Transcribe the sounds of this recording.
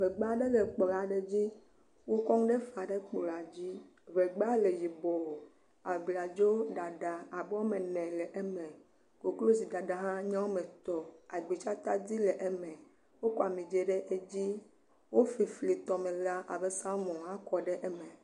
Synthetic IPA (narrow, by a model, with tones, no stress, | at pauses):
ve˨ɡ͡ba˦ɖe˦le˨k͡pɔ˨la˨ɖe˦d͡ʑi˦ | wo˦kɔ˦ŋ˦ɖe˦fa˨ɖe˦k͡po˨la˨d͡ʑi˦ | βe˨ɡ͡ba˦le˨ji˨bɔ˨wo˨ | a˨bli˨a˨d͡ʒo˦ɖa˨ɖa˨a˨bɛ˦wo˦me˨nɛ̃˨le˨ʔe˦mɛ̃˨ | ko˨klo˦zi˨da˨ɖa˨ɦã˦ɲã˦wo˦mẽ˨t̪ɔ˨a˨ɡ͡bi˨t͡ʃa˦t̪a˦di˦le˨ʔe˦mɛ̃˨ | wo˦kɔ˦a˨mĩ˨d͡ʒe˦ɖe˦ʔe˦d͡ʑi˦ | wo˦fi˨fli˨t̪ɔ˨mẽ˨la˦ʔa̰˨be˦sã˦mɔ̃˨ɦã˦kɔ˨ɖe˦ʔe˦mɛ̃˨